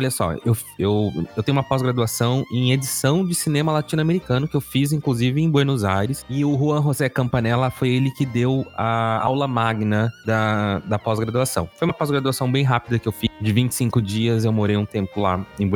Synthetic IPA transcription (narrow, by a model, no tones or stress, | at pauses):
ɔʎɐsɔ̰ew | ewewt̪ẽj̃umɐpɔzɡɾad̪uasɐ̃w̃ẽj̃ed͡ʒisɐ̃w̃d͡ʒɪsinẽmɐlat͡ʃĩnʊameɾikɐ̃nʊkɪewfizĩkluzivɪẽj̃bweɾnozajɾɪsɪʊɦuɐ̃ɦozɛkɐ̃mpanɛlɐfojelɪkɪd̪ewɐa̰wlɐmaɡnɐd̪ɐd̪ɐpɔzɡɾad̪uasɐ̃w̃fojũmɐpɔzɡɾad̪uasɐ̃w̃bẽj̃ɦapid̪ɐkɪewfisd͡ʒɪvĩt͡ʃɪ̥sĩŋkʊd͡ʒiɐzewmoɾejũt̪ẽmpʊla̰ẽj̃b